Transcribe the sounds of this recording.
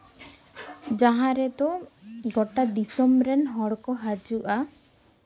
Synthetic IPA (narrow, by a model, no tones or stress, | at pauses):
d͡ʒaɦãɾɛd̪ɔɡɔʈad̪isɔmɾɛnɦɔɽkɔɦad͡ʒuʔa